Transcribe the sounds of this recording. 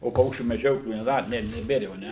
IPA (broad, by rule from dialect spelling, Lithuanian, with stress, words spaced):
oː ˈpɐʊkʃʲt͡ʃʲuː mʲɛˈd͡ʒʲoːklʲuː nʲɛˈdɐ nʲɛ nʲɛˈbʲeːr jɛʊ ɐˈnʲɛ